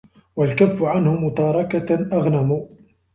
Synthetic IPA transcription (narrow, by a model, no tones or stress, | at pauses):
walkafːʊʕanhʊmʊt̪ɑːɾˤɑkaʔaɣnamuː